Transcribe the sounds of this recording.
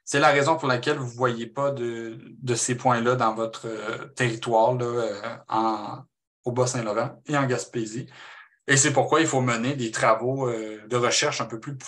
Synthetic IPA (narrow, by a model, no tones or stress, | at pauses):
sɛlaʁɛzɔ̃puʁlakʲɛlvuvwajepad̪əd̪əsepwɛ̃lʌd̪ɑ̃vɔt̪χət̪eʁit̪waːʁlʌøɑ̰̃ | obɔsɛ̃lɔʁɑ̃eɑ̃ɡʲaspezi | es̬ɛpuʁkwailfoməned̪et̪χavoød̪əʁəʃɛʁʃɛ̃pøply